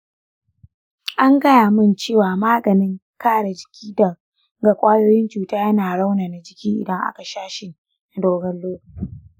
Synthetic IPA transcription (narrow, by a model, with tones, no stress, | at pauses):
ʔa˦ŋɡɐ˦jaː˨mɪ˦˨nt͡ʃeː˦˨waː˨maː˦ɡɐ˨nɪ˦ŋ | kaː˦˨ɽa˨d͡ʒɪ˨kʲʰiː˦dɐ˨ | ɡa˨kʷʼaː˦joː˦jɪ˦nt͡ʃuː˨taː˦jɐ˦naː˨ɽa˦wnaː˨na˨d͡ʒɪ˨kʲiː˦ʔɪ̰˨dɐ˦ŋʔa̰˦ka˨ʃaː˦ʃɪ˨n | na˨doː˦ɡɐ˦lːoː˦ku˨